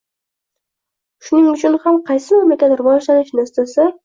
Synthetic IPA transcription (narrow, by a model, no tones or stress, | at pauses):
ʃʊnɪŋʊt͡ʃʰʊnhamqʰɑjsɪmamakʲat̪ɾʊvɒʒlanɪʃnasasɪ